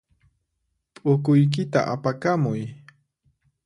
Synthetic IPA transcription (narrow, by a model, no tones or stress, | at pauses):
pʼʊkʊjk̬ɪt̪a̰ʔapakamʊj